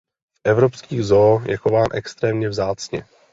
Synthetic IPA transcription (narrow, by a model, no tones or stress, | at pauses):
fʔɛvɾopskiːɣzoːjʔɛxovaːnʔɛkst̪ɾɛːmɲɛvzaːt͡sɲɛ̰